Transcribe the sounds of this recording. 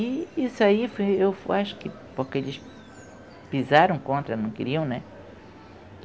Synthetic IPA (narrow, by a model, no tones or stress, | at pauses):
iisʊaifojewfaʃʊ̥kɪ | poɾkelɪʃ | pizaɾɐ̃w̃kõnt̪ɾɐnɐ̃w̃keɾiɐ̃w̃nɛ